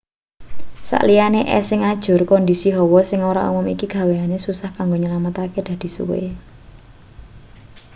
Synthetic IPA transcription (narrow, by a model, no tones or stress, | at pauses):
sa̰ʔlijaneʔɛ̰sɪŋad̥ʒ̥ʊrkɔnd̪isiɦɔwɔsɪŋoɾa̰ʔṵmʊmikiɡ̥ä̤weanesusahkaŋɡoɲəlamat̪aked̪̥a̤d̪̥i̤sṵwḛ